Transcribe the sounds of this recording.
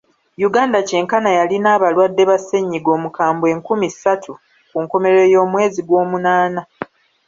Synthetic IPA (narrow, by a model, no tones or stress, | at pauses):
juɡaːndace̞ːŋkanajalinaːβalwadːe̞βase̞ɲːiɡo̞ːmukaːmbe̞ːŋkumisatʰu | kuŋko̞me̞ɾe̞jo̞ːmwe̞ːziɡwo̞ːmunaːna